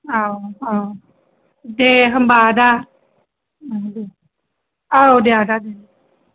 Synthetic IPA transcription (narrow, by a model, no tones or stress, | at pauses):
aa | deɦəmbaːda | ade | aodeadaden